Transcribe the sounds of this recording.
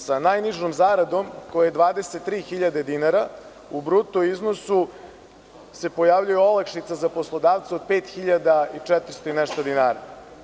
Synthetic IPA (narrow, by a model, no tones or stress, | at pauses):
sanajniʒnomzaːɾad̪o̞mkojejed̪ʋaːd̪eset̪ːɾiːxiʎad̪e̞d̪inaɾa | ubɾut̪oiznosu | se̞po̞jaːʋʎujuo̞lakʃit̪sazapo̞slˠod̪aːʋt̪seo̞d̪̚peːt̪xiʎad̪ait͡ʂɛt̪ɾ̩st̪oineʃt̪od̪inaːɾa